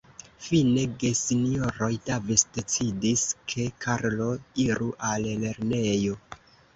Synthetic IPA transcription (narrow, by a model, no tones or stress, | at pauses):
fine̞ɡe̞sinio̞ɾo̞jdavesde̞t͡sidiskʰe̞kʰaɾlo̞iɾuʔalle̞ɾne̞jo̞